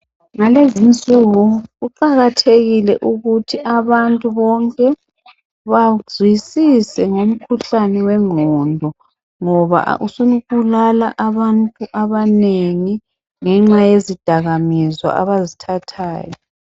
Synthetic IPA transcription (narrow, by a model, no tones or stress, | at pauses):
ŋalezint͡sʼuɣuɣuǃaɣatʰeɣilɛʔuɣutʰiʔaβantʼuβɔŋkʼɛ | βazʱwisisɛŋom̩kʰuɬanɛwɛŋ͡ǃʱɔndʱɔ | ŋɔβa̰ʔusunuɣulalaʔaβantʼuʔaβaneŋi | ŋɛŋ͡ǁajezid̥ʱaɣamizwa̰ʔaβazitʰatʰaːjɔ